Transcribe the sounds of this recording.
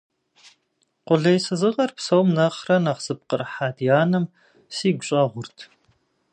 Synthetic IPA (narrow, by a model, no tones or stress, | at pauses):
qʷʊɮɐjsɨzɨʁɐrpsɐwmnɐχrɐnɐχz̥ɨp̚qərħaːdjaːnɐm | siːɡʷʊɕʼɐʁʷʊrtʰ